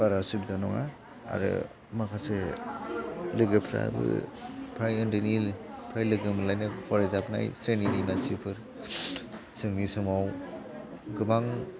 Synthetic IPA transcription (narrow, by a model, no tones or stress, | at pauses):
b̥aɾasub̚danɔŋa̰ | a̰ɾɯ̰ | makʰase | lɯɡɯpʰɾa̰bɯ̰pʰɾajɯndɯnilpʰɾajlɯɡɯmɯlajnɯpʰɔɾezapna̰jsɾeninimasipʰɯɾ | sɯŋnisɯmaw | ɡɯbaŋ